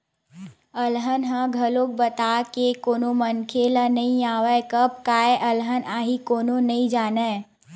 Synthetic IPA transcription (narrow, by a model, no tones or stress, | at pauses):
əlɦənɦãɡʱɐlõk̚bət̪aːkekoːnomənkʰelanɐɦĩaːwəkəp̚kaːeʔɐlɦənʔaːɦikoːnonɐĩd͡ʒaːna